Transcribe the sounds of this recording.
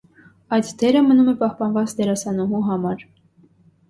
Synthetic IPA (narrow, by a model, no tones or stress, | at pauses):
ɑjt̪d̪ɛɾəmənumɛpɑhpɑnvɑt͡sd̪ɛɾɑsɑnɔɦuɦɑmɑɾ